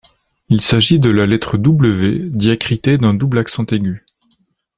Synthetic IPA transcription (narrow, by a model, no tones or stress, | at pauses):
ilsaʒid̪əlalɛt̪χəd̪ubləved̪jakχit̪ed̪ɛ̃d̪ublaksɑ̃t̪eɡʲy